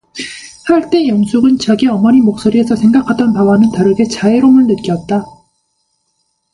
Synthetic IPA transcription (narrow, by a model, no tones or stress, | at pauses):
haɭt͈e̞jʌŋsʰuɡɯnt͡ɕaɡiʌmʌɲimok̚s͈oɾiɦesʰʌsʰe̞ŋɡakʰadʌnpawanɯntaɾɯɡe̞t͡ɕaeɾomɯɭnɯt̚k͈jʌt̚t͈a